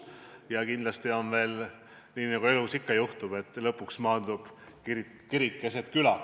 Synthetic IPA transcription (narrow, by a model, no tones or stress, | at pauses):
jɑkind̪lɑst̪io̞nve̞ːl | niːnɑɡue̞lusikːɑjuht̪ub̥e̞t̪ːˑlɤpːˑuksmɑːnd̪ub̥ | kiɾ | kiɾikˑːe̞set̪kylɑ